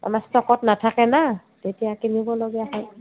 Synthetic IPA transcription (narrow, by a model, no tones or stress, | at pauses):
a̰mastɔkɔtnatʰakɛna | tetijakinibɔloɡɛaɦɛ